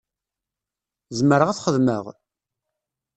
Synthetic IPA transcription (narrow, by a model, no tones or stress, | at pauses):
zməɾəʁæθχəðməʁ